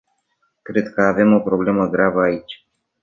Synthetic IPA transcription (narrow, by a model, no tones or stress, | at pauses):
kɾe̞d̪kəave̞mo̞pɾo̞ble̞məɡɾavəait͡ʃʲ